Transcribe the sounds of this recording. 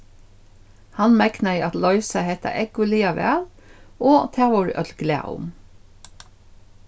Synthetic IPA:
hɑnmæknəiːʔɑt̪lɔʏsəheɪt̪ə̰ʔɛɡʊliːɑʋæ̰ːl | oːt̪ʰæːʋʊɹ̰ʔœd̪ɡ̥læ̰ːʔʊ̰m

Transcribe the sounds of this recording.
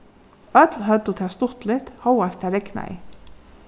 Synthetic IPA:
œt̪lɦœt̪ːʊt̪ʰɛːst̪ʊht̪lɪht̪hɔwast̪ʰɛːɾɛkna̰ɪ̰

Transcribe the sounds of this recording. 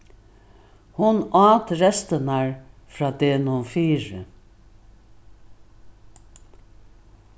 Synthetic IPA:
hʊnɑːt̪ɾɛst̪ənaɹfɾaːd̪eːnʊnfiːɾə̰

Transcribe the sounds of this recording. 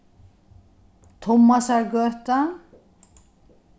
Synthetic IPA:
t̪ʰɔmːasaɾɡœt̪an

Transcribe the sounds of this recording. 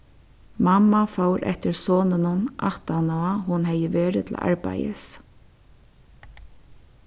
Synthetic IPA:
mamːafowɾʔɛ̰ht̪ɪɹsoːnɪnʊnʔa̰ht̪anɔahʊnɦɛjɪʋeːɾɪt̪ʰl̰ʔa̰ɹpa̰jɪ̰s

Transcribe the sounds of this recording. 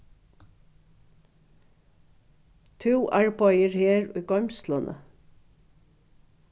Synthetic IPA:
t̪ʰʉːʔæɹbɔjəɹheːɹʊ̰jɡɔmst̪lənʔə̰

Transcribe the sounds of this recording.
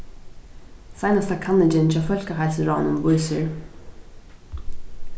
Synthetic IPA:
sajnast̪ʰakʰanːɪd͡ʒɪnt͡ɕʰaːfœl̥kəɦajlsəɹɔːnʊmvʊjsɪɹ

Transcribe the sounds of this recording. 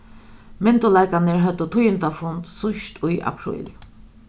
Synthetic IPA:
mɛnt̪ʊlaɪkanəɹɦœt̪ət̪ʰʊjənt̪afʊnt̪sʊʃt̪ʰʊjʔa̰pʰɾɪ̰l

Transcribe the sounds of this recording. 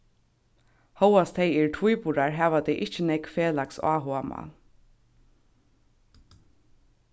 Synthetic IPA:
hɔwast̪ʰɛjɛɹʈʰvujpuɾaɹɦæːʋat̪ɛjʔɪht͡ʃɪnɛkfeːlaksa̰ːɦoama̰

